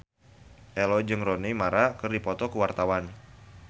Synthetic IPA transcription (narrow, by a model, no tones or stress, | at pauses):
ʔɛlɔd͡ʒɨŋrɔnimaɾakɨrdipɔt̪ɔkuwart̪awan